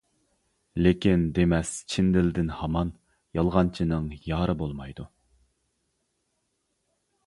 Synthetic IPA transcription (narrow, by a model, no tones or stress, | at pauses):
lekʲind̪emɛst͡ʃʰind̪ɪlɪd̪ɪnhɑmɑn | jɑlˠʁɑnt͡ʃʰinɨŋjɑːɾɨbolˠmɑjd̪u